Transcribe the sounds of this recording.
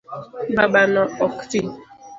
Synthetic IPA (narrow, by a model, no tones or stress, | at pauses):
babanaɔkti